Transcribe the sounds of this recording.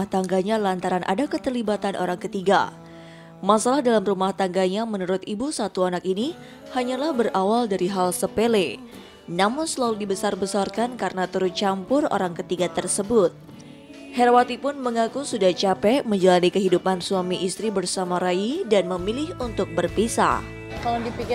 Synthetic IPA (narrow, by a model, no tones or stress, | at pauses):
aht̪aŋɡaɲalant̪aɾanʔa̰dakət̪ərlibat̪anʔoɾaŋkət̪iɡa | masalahdalamrumaht̪aŋɡaɲamənuɾʊt̪ibusat̪uanakini | haɲalahbərawaldaɾiɦalsəpele | namʊnsəlaludibəsarbəsarkankaɾənat̪uɾʊt͡ʃampʊro̰ɾaŋkət̪iɡat̪ərsəbʊt̪̚ | hɛrwat̪ipʊnməŋakusudaht͡ʃapɛməɲd͡ʒalanikəɦidupansuamiʔist̪ɾibərsamaɾaidanməmilɪhunt̪ʊk̚bərpisa̰ | kaladipik